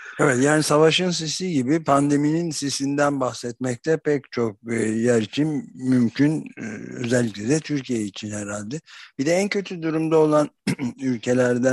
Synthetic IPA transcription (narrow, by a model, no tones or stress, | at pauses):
ɛvɛt̪jaːnisavaʃɯns̬isiɟibipʰand̪e̞mininsisind̪ænbaxsɛt̪̚mɛc̚t̪ʰɛpʰɛct͡ʃʰo̞k̚jæɾit͡ʃʰinmymcʰynø̞̰zɛlʲːiclʲɛd̪ɛt̪ʰyɾcʰijeit͡ʃʰinheɾalʲd̪ɛb̥id̪ɛæncʰø̞t̪ʰyd̪uɾumd̪ao̞lˠanylʲcʰe̞lʲæɾd̪æ